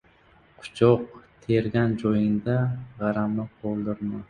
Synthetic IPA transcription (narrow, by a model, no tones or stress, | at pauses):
qʰʊ̥t͡ʃʰɒq̚t̪ʰe̞ɾɡʲand͡ʒɒjɪnd̪aʁɑɾamnɪqʰolˠd̪ɪɾma